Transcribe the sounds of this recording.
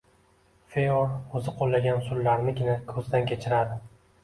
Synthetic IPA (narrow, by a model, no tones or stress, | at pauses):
feoɵzɪqʰolːaɡʲansʊlːaɾnɪɡʲɪnakʰɵzd̪ankʲʰe̞t͡ʃʰɪɾad̪ɪ